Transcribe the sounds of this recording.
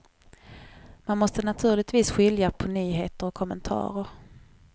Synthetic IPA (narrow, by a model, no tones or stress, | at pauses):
manmɔst̪ənat̪ʰʉ̟ːlɪɡ̚t̪viːsɧɪljapʰɔnyːɦeːt̪əɾɔkʰːɔmənt̪ʰɑ̰ːɾəɾ